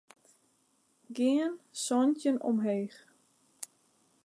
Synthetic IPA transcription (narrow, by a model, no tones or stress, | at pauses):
ɡɪənsɔntjənɔ̰mɦeːx